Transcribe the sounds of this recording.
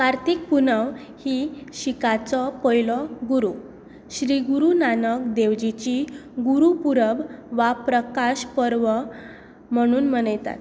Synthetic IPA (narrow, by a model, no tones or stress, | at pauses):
kaɾt̪ik̚punəʋhiɕikat͡sɔpɔjlɔɡuɾu | ɕɾiɡuɾunanəkd̪eʋd͡ʑit͡ɕiɡuɾupuɾəbʋapɾəkaɕpəɾʋə | m̤əɽ̃uːnmənəjt̪a̰t̪